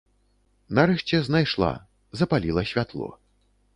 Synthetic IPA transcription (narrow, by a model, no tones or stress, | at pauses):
naɾɛʂt͡sʲɛznajʂlˠa̰ | zɐpalʲilˠɐsʲvʲat̪lˠɔ̰